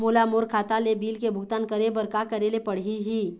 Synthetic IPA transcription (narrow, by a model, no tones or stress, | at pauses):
mulamoɾkʰaːt̪alebiːlkebʱʊɡt̪ankəɾebəɾkakəɾelepəɽ̤iɦi